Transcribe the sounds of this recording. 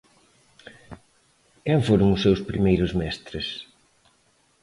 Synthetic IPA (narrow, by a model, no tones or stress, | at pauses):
kɛɱfoɾʊŋʊsːewspɾimejɾʊzmɛst̪ɾɪs